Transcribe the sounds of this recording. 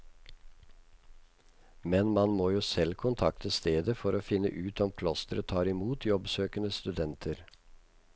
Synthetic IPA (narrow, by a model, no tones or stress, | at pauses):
mɛnmɑnmoːjuːsɛlkʰʊnt̪ʰɑkt̪əst̪eːd̪əfɔɾoːfɪnːə̰ʔʉːt̪ɔmkʰlɔst̪əɾət̪ʰɑːɾɪmuːt̪ʰjɔbsøːkənəst̪ʉd̪ɛnt̪ʰəɾ